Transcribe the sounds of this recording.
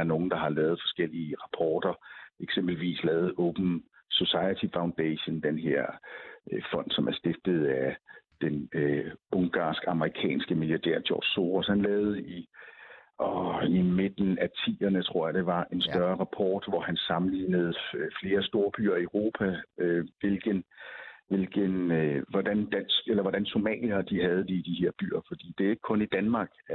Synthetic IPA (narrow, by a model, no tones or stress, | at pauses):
ɐno̝ːn̩d̥ɑ̈ɦɑ̈lɛːð̩ˠfɒ̥̽sɡ̥el̰iəʁɑ̈pʰɒːd̥ɐeɡ̥sem̰b̥l̩ʋḭːslɛːð̞̩ˠɔʊb̥n̩ | so̝sɑ̈ɪət͡sʰifɑ̈ʊ̃nd̥ɛɕənd̥enɦeɐ̰ | fɒ̽n̰d̥sɒ̽mæɐsd̥e̝fd̥ð̞̩ˠæd̥en | ɔ̽ŋɡ̥ɑ̰̈ːsɡ̥ɑ̈məʁikʰɛ̰ːnsɡ̥əmiljɑ̈d̥æ̰ɐ̰d̥ʰɒ̰ːd̥so̝ːʁoshænlɛːʊð̞̩ˠəi | ʔɒimed̥n̩æt͡sʰḭːɐnət͡sʰʁo̝ɐ̰jɑd̥e̝ʋɑ̈ʔe̝nsd̥ɶɐʁɑ̈pʰɒ̰ːd̥ʋɒhænsɑ̈mn̩lḭːnəð̞̩ˠfle̝ːɐsd̥o̝ːɐb̥y̰ːɐioʁo̝ːpʰæøʋelɡ̥ənʋe̝lɡ̥ənʋɒd̥ænd̥æn̰sɡ̥elɐʋɒd̥ænso̝mɛ̰ːljɐd̥iɦæð̞̩ˠd̥id̥ihe̝ɐ̰b̥y̰ːɐfɒ̽d̥ḭːd̥e̝æe̝ɡ̥ə̥kʰɔ̽nid̥ænmɑ̈ːɡ̥